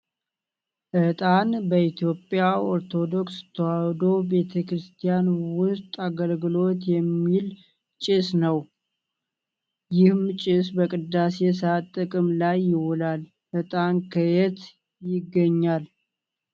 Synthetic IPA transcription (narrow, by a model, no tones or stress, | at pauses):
ʔɨt̪ʼanbəit̪ʰjo̞pʼːjaʔoɾt̪ʰo̞d̪o̞kst̪ʰəwawd̪o̞be̞t̪ʰəkɾɨst̪ʰijanwʊst̪ʼaɡəlɡɨlo̞t̪jɛmːil | t͡ʃʼɪsnəw | jɪhmt͡ʃʼɪs̬bəkʼɨd̪ːase̞sat̪ʼːɨkʼɨmlajːɪwɔlal | ʔɨt̪ʼankʰəjɛt̪ | jɪɡːəɲːal